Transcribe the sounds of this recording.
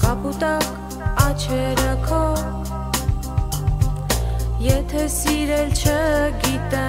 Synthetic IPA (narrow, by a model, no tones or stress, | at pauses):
kɑput̪ɑk | ɑt͡ʃʰɛɾəkʰɔ | jɛt̪ʰɛsiɾɛlt͡ʃʰəɡit̪ɛ